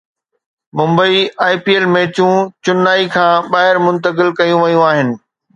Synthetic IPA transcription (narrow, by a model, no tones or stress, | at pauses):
mʊ̃mbəiaːipieːlmẽːt͡ɕũt͡ɕʊnːaːikʰãːɓaːɦɪɾmʊ̃nt̪ək̬ɪlkɐjũʋɐjũaːɦɪnɪ̆